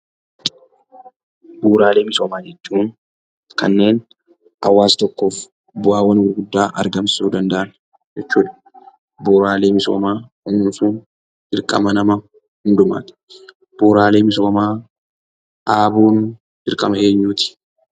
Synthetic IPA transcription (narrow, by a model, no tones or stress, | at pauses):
buːɾaːle̞ːmɪsoːmaːd͡ʒɛt͡ʃːuːn | kɐnːe̞ːn | ʔɐ̰wːaːst̪ɔkːo̞ːf | bʊaːwːɐnwɪɾɡʊd̪ːaːʔɐɾɡɐmsuːd̪ɐnd̪ɐʔɐn | d͡ʒɛt͡ʃːuːᶑ̪ɐ̥ | boːɾaːle̞ːmɪso̰ːmaːʔʊnnsuːn̥ | ɪɾkʼɐ̰mɐnɐmɐ | hʊnd̪ʊma̰ːt̪ɪ̥ | b̥uːɾaːle̞ːmɪs̬oːmaː | ʔaːbuːn | dɪɾkʼɐmɐe̞ːɲːuːt̪ɪ̥